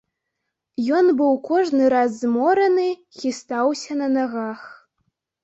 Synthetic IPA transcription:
jɔnbɨwkɔʐnɨɾazːmɔɾɐnɨxʲist̪awsʲɐnɐnaɣax

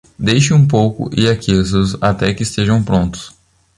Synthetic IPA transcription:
d̪ejʃɪũp̬owkʊ̰ʔɪakezʊzat̪ɛkɪːst̪eʒɐ̃w̃pɾõnt̪ʊ̥s

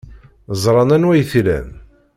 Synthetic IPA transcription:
zˤɾˤɑnænwæjθlæ̰m

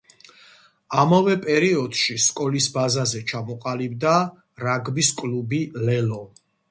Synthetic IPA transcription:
amavɛpʼɛɾiɔd̪̥ʃiskʼɔlisbazazɛt͡ʃʰamɔqʼalibd̪a | ɾaɡbiskʼlubilɛlɔ

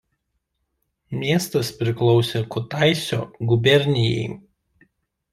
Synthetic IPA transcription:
mʲiɛst̪ɐspʲɾʲɪklˠɔʊsʲeːkʊt̪ɑˑɪsʲoːɡʊbʲɛɾʲnʲɪjɛ̰ɪ

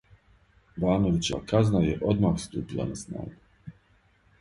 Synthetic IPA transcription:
baːno̞ʋit͡ɕeʋa̰kaznajeʔo̞d̪maːxst̪uːpilˠa̰nasna̰ːɡu

